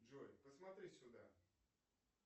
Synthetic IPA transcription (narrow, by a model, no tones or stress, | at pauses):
d͡ʒojpəsmɐt̪ɾʲisʲʊd̪a̰